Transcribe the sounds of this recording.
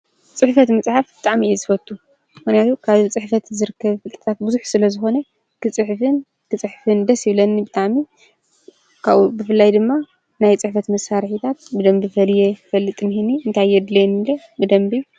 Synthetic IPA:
t͡sʼɨħfɐt̪mɐt͡sʼħafbɨt̪ʼaʕmiɛzɨfɐt̪ʰʼːu | mɨxnjat̪ʰukʰaβit͡sʼɨħfɐt̪zɨɾɨkʰːɐβfɨt̪ʼɨt̪ʰat̪̚bɨzuħsɨlɐzɨxo̞nɐ | kʰɨt͡sʼɨħfɨn | kʰɨt͡sʼɨħfɨnd̪ɐsjɪβlɐnːibɨt̪ʼaʕmi | kʰaβubɨfɨlːajd̪ɨmːa | najt͡sʼɨħfɐt̪mɐsaɾħit̪ʰat̪̚bɨd̪ɐmbifɐljefɐlːɨt̪ʼɨnhiniʔɨnt̪ʰajɛd̪lejnilɐ | bɨd̪ɐmbi

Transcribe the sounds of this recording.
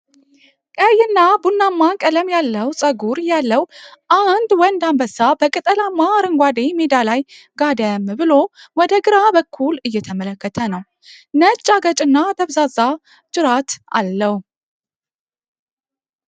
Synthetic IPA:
kʼəjɨnːabunːamːakʼələmjalːəwsʼəɡuɾjalːəwʔand̪wɔnd̪ambəsabəkʼɨt̪ʼəlamːaɾɨŋɡʷad̪emed̪alaj | ɡad̪əmbɨlo̞wɔd̪əɡɨɾabəkʰːulɨjːɛt̪ʰəmələkːət̪ʰənəw | nət͡ʃʼːaɡət͡ʃʼɨnːat̪ʰəβzaza | t͡ʃʼɨɾat̪a̰lːəw

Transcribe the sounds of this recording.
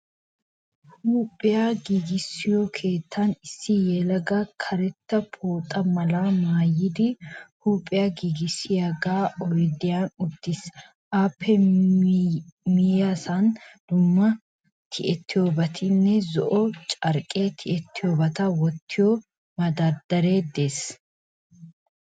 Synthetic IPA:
huːpʼɪjaɡiːɡɪsːɪjɔkʰe̞ːt̪ʰːɐnɪsːɪjɛlɐɡɐkʰɐɾɛt̪ːɐpʰoːt̪ʼːɐmɐlamaːjɪd̪ɪhuːpʼːɪjaɡiɡɪsːɪjɐɡaːɔjd̪ɪjanʊd̪ːɪs | ʔaːpʰːɛ | mɪjasand̪̥ʊmːɐ | t̪ʰɪʔɛt̪ʰːɪjoːbɐt̪ʰɪnːɛzɔʔɔt͡ʃʼɐɾkʼeːt̪ʰɪʔɛt̪ːɪjoːbɐt̪ɐwɔt̪ʰːɪjɔ | mɐd̪ɐd̪ɐɾe̞ːd̪eːs

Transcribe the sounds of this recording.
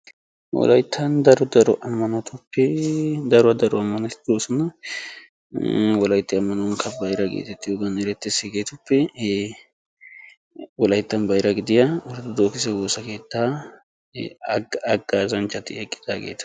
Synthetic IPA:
wɔ̰lɐ̰jt̪ʰːɐnd̪ɐɾɔd̪ɐɾɔʔɐmːɐnɔt̪ʊpːɛd̪ɐɾʊɐd̪ɐɾɔɐmːɐnɐt̪ɪd̪oːsɔnɐ | wɔlɐjt̪ːɪɐmːɐnɐwnkʰɐbɐjɾɐɡḛːt̪ɛt̪ːɪjoːɡɐnɛɾɛt̪ːɛsɛɡe̞ːt̪ʊpːɛ | wɔlɐjt̪ːɐnbɐjɾɐɡɪd̪ɪjawɔɾt̪ʊd̪oːkɪsɛwoːsɐke̞ːt̪ːaː | ɐɡːaːzɐnt͡ʃʼːɐt̪ːɪɛkʼːɪ̥d̪aːɡḛːt̪ɐ̥

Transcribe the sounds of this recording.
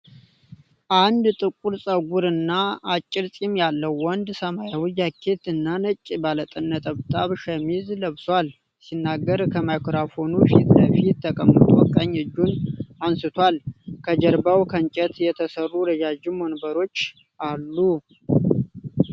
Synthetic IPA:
ʔand̪t̪ʼɨkʼuɾsʼəɡʷuɾɨnːaat͡ʃʼːɪɾsʼimjalːəwːɔnd̪səmajawijakʰːe̞t̪ɨnːanət͡ʃʼːbalət̪ʼənːət̪ʼəβt̪ʼaβʃəmizləβswal | sinːaɡːəɾkʰəmajkʰɾafo̞nufit̪ləfit̪ːəkʼəmːət̪ʼuwɔkʼːaɲːɨd͡ʒːunansɨt̪ʰwalkʰəd͡ʒəɾbawkʰəɲt͡ʃʼɛt̪jɛt̪ʰəsərːuɾəd͡ʒad͡ʒimonbəɾo̞t͡ʃː | ʔalːu

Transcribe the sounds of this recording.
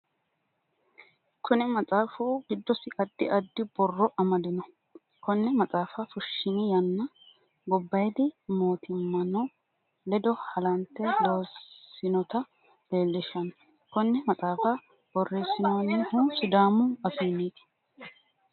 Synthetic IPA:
kʰʊnɛmɐt͡sʼaːfuːɡɪd̪ːɔsɪʔɐd̪ːɪʔɐd̪ːɪbɔrːɔʔɐmɐd̪ɪnɔ | kɔnːɛmɐt͡sʼaːfɐfʊʃːɪnɪjɐnːɐ | ɡɔbːɐjd̪ɪmoːt̪ʰɪmːɐnɔ | lɛd̪ɔhɐlɐnt̪ːɛloːɪnɔt̪ɐ | le̞ːlːɪʃɐn | kɔnːɛmɐt͡sʼaːfɐ | b̥ɔrːeːsːɪnoːnɪhʊsʊd̪aːmʊɐfiːnːiːt̪ɪ̥

